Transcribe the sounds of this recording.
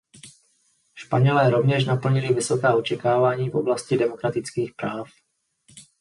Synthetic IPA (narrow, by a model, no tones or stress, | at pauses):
ʃpaɲɛlɛːɾo̞vɲɛʃnapl̩ɲɪlɪvɪso̞kaːot͡ʃɛkaːvaːɲiːfʔo̞blascɪdɛmo̞kɾat̪ɪt͡skiːxpɾaːf